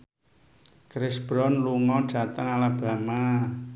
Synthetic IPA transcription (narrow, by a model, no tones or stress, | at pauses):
kɾɪsb̥ɾɔnluŋɔ̥d̥a̤t̪əŋalab̥a̤ma